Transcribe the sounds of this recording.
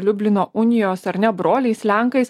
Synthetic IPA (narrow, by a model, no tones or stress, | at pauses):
lʲʊbʲlʲɪnoːʔʊnʲɪjoːsɐɾʲnʲɛbɾoːlʲɛɪslʲæŋˑkɐɪs